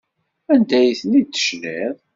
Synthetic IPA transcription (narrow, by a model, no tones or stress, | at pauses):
ænd̪æjθnit̪ːə̥ʃnið